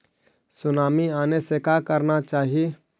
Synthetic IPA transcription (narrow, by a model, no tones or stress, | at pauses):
sʊnaːmiaːnesekaːkəɾnat͡ʃaːɦie